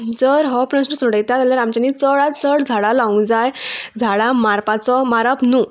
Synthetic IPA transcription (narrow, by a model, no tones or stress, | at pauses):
d͡zəɾɦɔpnəsʈəsɔɽəjt̪at̪aljaɾamt͡ɕanit͡səɭat͡səɽd͡zʱaɭalaũd͡zajd͡zʱaɭamaɾpat͡sɔmaɾapnu